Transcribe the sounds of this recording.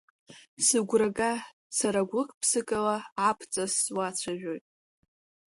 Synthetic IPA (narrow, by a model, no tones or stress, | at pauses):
sɨɡʷraɡa | saɾaɡʷɨkʰʼpʰsɨkʼalaːpʰt͡sʼaswat͡sʷʰaʒᶣojtʼ